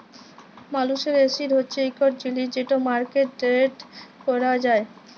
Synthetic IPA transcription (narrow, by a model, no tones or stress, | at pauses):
maluʃeɾesiɾɦotːɕʰeejkoɾ̚d͡ʑilid͡ʑeʈomaɾkeʈ̚ɖeɾeʈkɔɾad͡ʑae